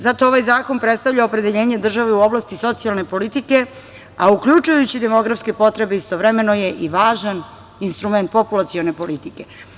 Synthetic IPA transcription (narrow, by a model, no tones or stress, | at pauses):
zat̪o̞oʋajzaːko̞npɾet̪st̪avʎaopɾe̞d̪eʎe̞ːɲed̪r̩ʒaʋeuo̞blˠast̪iso̞t̪sialˠne̞po̞lit̪ike | aukʎut͡ʃujut͡ɕid̪emo̞ɡɾafske̞po̞t̪ɾe̞beist̪oʋɾeme̞no̞je̞ʔiʋaːʒan | inst̪ɾume̞nt̪̚populat̪sio̞nepo̞lit̪ike̞